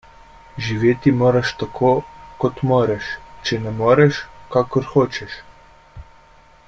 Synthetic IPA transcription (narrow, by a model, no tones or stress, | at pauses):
ʒiʋeːt̪imoːɾaʃt̪akʰoːkɔt̪moːɾɛʃt͡ʃɛnɛmoːɾɛʃkaːkɔɾxoːt͡ʃɛʃ